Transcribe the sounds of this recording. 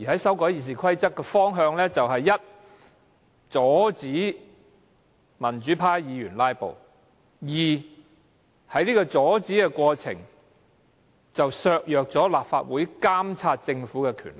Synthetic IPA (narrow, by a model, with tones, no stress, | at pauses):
jiː˨˩hɐ˨˦˥jsɐ˨˥wkɔː˨˥jiː˨˩s̬iː˨˩kʰɐ˥jt͡sɐ˥kːɛ˧fɔː˥ŋɦœː˧ŋlɛː˥t͡sɐ˨wɦɐ˨jːɐ˥t̚ | t͡sɔː˨˥t͡siː˨˥ | mɐ˨˩nt͡ʃyː˨˥pʰaː˥jjiː˨˧jyː˨˩nlaː˥jpo̰˨w | jiː˨˩ | hɐ˨˥jniː˥kɔː˧t͡sɔː˨˥t͡siː˨˥kɛ˧kʷɔː˧t͡sʰɪ̰˨˩ŋ | t͡sɐ˨wsœː˧k̚jœː˨k̚t͡sɔː˨˥laː˨p̚fa̰ː˧t̚wuː˨˥jkaː˥mt͡sʰaː˧t̚t͡sɪ˧ŋfuː˨˥kɛ˧kʰy̰ː˨˩nlɪ˨˩